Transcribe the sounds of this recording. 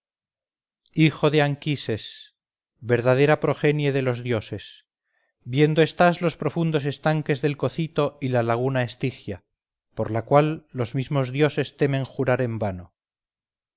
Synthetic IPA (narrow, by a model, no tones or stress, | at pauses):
ixo̞ðeaŋkise̞s | βe̞ɾðað̞e̞ɾapɾo̞xe̞njeðe̞lo̞zðjo̞se̞s | bjend̪oe̞st̪azlo̞spɾo̞fund̪o̞s̬e̞st̪aŋke̞zðe̞lko̞θit̪o̞ilalaɣ̞unaest̪ixja | po̞ɾlakwalːo̞zmizmo̞zðjo̞se̞st̪e̞mẽ̞ŋxuɾaɾe̞mbano̞